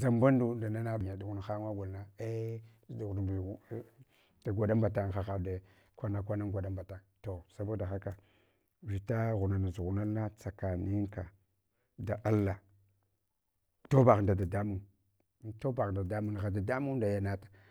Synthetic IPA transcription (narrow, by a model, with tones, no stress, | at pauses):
za˨mba˦n˦du˨˦da˨na˦na˦˨a˨du˨ɣu˦n˨xa˦ŋa˦ɡʷa˨lna˦e˦˨ | du˨ɣ | d̥a˨ɡʷa˨da˦mba˨ta˦ŋxa˨xa˨da˨ | kʷa˦na˦kʷa˦na˦ŋɡʷa˨da˦mba˨ta˦ŋto˨sa˦ba˦da˨xa˦ka˨ | vi˨ta˦ɣu˨na˨na˨zu˨ɣu˨na˦lːa˦t͡sa˨ka˨ni˦ŋka˨ | da˨ʔa˦lːa˨ | to˦ba˨ɣnda˨da˨da˦mu˦˨˦ | to˦ba˨ɣda˨da˦mu˦n˨a˨da˨da˦mu˦da˨ja˨na˦tḁ˨